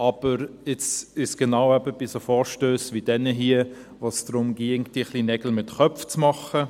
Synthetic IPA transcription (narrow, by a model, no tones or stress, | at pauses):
ɑb̥əɾɪt͡sɪʃsɡ̥enaʊɛbəb̥isofɔːɾʃtøːsvʋid̥ɛnəɦiə | vosd̥ɾʊmɡiŋtiχlinɛɡ̥l̩mɪtχœpft͡smɑχə